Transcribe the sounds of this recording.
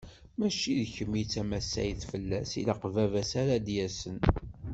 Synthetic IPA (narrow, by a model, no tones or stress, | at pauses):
mæʃiðçəmit͡sːæmæsæ̰jθfəlːæsḭləqvævæsaɾad̪jæsən